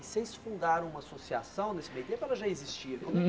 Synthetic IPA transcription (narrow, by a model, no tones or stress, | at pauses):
sejsfũnd̪aɾɐ̃w̃ũmɐasosia̰sɐ̃w̃nesɪmejud̪ẽpɛlɐʒaezist͡ʃiɾ̃